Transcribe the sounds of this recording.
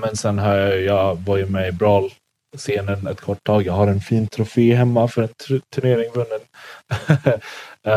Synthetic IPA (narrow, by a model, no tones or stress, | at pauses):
mɛnsɛnɦœːjɑjjɑːvɑjəmɛbɾɑːl | seːnənɛt̪kʰɔʈʰːɑːɡjɑːɡhaɾɛnfiːnt̪ʰɾʊfeːɦɛmːafœɖɛnʰt̪ʰɵɳeːɾɪŋvɵnːən